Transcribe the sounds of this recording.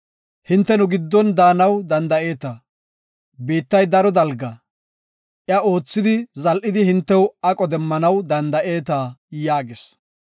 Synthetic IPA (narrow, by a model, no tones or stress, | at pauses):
hɪnt̪ːɛnʊɡɪd̪ːɔnd̪aːnɐwd̪ɐnd̪ɐʔe̞ːt̪ɐ | biːt̪ːɐjd̪ɐɾɔd̪ɐlɡɐ | ʔɪjɐo̞ːt͡sːɪd̪ɪzɐlʔɪd̪ɪhɪnt̪ːɛwɐkʼɔd̪ɛmːɐnɐwd̪ɐnd̪ɐʔe̞ːt̪aːjaːɡɪs